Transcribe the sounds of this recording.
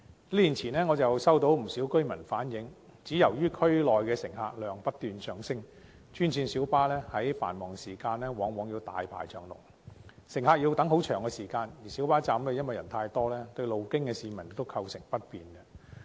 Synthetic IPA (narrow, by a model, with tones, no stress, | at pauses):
liː˥liː˨˩nt͡sʰiː˨˩nɛː˥ŋɔː˨˧t͡sɐ˨wsɐ˥wt̪o˨˥wm̩˨˩siː˨˥wkɵ˥ɥmɐ˨˩nfaː˨˥njɪ˨˧˥ŋ | t͡siː˨˥jɐ˨˩wjyː˥kʰɵ˥ɥlɔː˨jkɛː˧sɪ˨˩ŋha̰ː˨˧k̚lœː˨ŋpɐ˥t̚t̪yː˨˧nsœː˨ŋsɪ˥ŋ | t͡ʃʰyː˥nsʰiː˧nsiː˨˥wpaː˥lɛː˥hɐ˨˥jfa̰ː˨˩nmɔː˨˩ŋsiː˨˩kaː˧nlɛː˥wɔː˨˥ŋwɔː˨˧˥ŋji˧t̪a̰ː˨jpʰa̰ː˨˩jt͡ʃœː˨˩ŋlʊ̰˨˩ŋ̚ | sɪ˨˩ŋhaː˨˧k̚ji˧wt̪ɐ˨˥ŋɦo˨˥wt͡ʃʰœː˨˩ŋkɛ˧siː˨˩kaː˧njiː˨˩si˨˥wpaː˥t͡saː˨˧mlɛ˧jɐ˥nwɐ˨˩jɐ̰˨˩nt̪ʰaː˧jt̪ɔː˥lɛː˥t̪ɵ˧ɥlo˨wkɪ˥ŋkɛ˧siː˨˧mɐ˨˩n̚t̪o˥wkʰɐ˧wsɪ˨˩ŋpɐ˥t̚piː˨nɡɛ˧